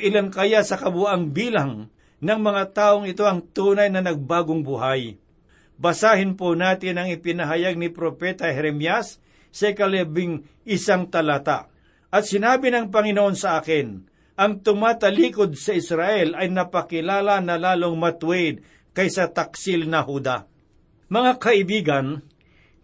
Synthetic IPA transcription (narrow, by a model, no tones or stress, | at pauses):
ʔɪlankɐjasɐkɐbʊʔaŋbiːlaŋ | nɐŋmɐŋat̪aːʔoŋɪt̪o̞ʔɐŋt̪uːnɐjnɐnɐɡ̚baːɡoŋbʊhaj | bɐsaːhɪnponaːt̪ɪnɐŋɪpɪnɐɦɐjaɡ̚nɪpɾopɛːt̪ɐhɛɾɛmjasː | ɐɪkɐlɛbɪŋ | ɪsaŋt̪ɐlat̪a̰ | ʔɐt̪sɪnaːbɪnɐŋp̬ɐŋɪnoʔo̞nsɐʔaːkɪn | ʔɐŋt̪ʊmaːt̪ɐliːkod̪̚sɐʔɪsɾaʔɛlɐjnɐpɐkɪlaːlɐnɐlaːlo̞ŋmɐt̪wɛd̪̚ | kɐjsɐt̪ɐksɪlnɐhuːd̪a | mɐŋakɐʔɪbiːɡɐn